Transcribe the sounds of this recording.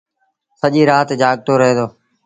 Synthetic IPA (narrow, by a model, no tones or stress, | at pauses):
səʄiːɾaːt̪d͡ʒaːɠ̚t̪ʰoːɾəɦẽːd̪oː